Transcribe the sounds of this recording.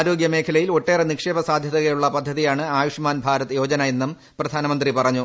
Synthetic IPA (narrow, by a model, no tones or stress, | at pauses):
ɾo̞ːɡjɐme̞ːkʰɐlɐjilo̞ʈːe̞ːrenikʂeːbɐsaːd̪ʱjɐðɐɣɐjuɭːɐpɐd̪ʱːɐðijaːɳɨaːjuʂmaːnbʱaːɾɐt̪ːɨjo̞ːd͡ʑɐnɐajenːum | prɐd̪ʱaːnɐmɐnd̪ripɐrɐɲːu